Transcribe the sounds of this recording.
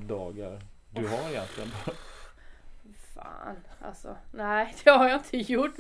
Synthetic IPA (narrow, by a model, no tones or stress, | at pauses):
d̪ɑːɡaɾd̪ɵɦaɾɪjɛnt̪lɪənbʰ | fɑ̰ːnʔa̰lsɔ̰næɪd̪̥ɛhaɾjɑɪnt̪ʰəjʊʈː